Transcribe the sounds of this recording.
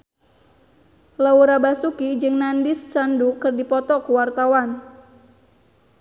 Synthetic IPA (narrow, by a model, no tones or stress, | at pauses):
lauɾabasukid͡ʒɨŋnandist͡ʃandukɨrdipɔt̪ɔkuwart̪awan